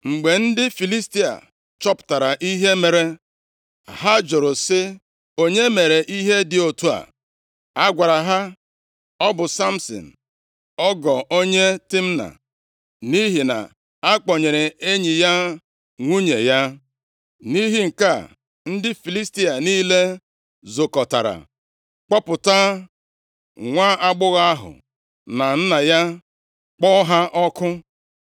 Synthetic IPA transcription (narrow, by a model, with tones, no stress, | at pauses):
ŋ͡m̩˨ɡ͡be˨n̩˦dɪ˦fi˨li˦sti˦a̰˨ | t͡ʃɔ˦pʊ̥˨ta˨ɾa˨ʔi˦ɦe˦me˨ɾe˦ | ɦa˦d͡ʒo˨ɾʊ˨sɪ˦ | o˦ɲe˦me˨ɾe˨ʔi˦ɦe˦dɪ˨o˨tu˦a̰˨ | a˦ɡʷa˨ɾa˨ɦa˦ | ɔ˦bʊ˨sa˦m̩˦sɔ̰˨n̩˨ | ɔ˦ɡɔ˨o˦ɲe˦ti˦m̩˦na̰˨ | ni˦ɦi˨na̰˨ | a˦k͡pɔ˨ɲe˨ɾe˨e˦ɲi˨ja˦ | ŋʷu˦ɲe˨ja˦ | ni˦ɦi˦ŋ̩˨ka˦˨ | n̩˦dɪ˦fi˨li˦sti˦a˨niː˦le˦ | zo˨kɔ˨ta̰˨ɾa̰˨ | k͡pɔ˦pʊ˨ta˦ | ŋʷaː˦ʔa˦ɡ͡bʊ˦ɣa˦a˦ɦʊ̰˨ | na˨n̩˦na˨ja˦ | k͡pɔ˦ɦa˦ʔɔ˦kʊ˦